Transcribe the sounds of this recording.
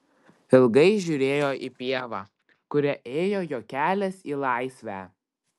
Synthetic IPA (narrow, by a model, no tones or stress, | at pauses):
ɪlˠɡɐɪʒʲʊːɾʲeːjoːʔipʲiɛʋɑː | kʊɾʲɛʔeːjoːjoːkʲæːlʲɛsiːlˠɑˑɪsʲʋʲæː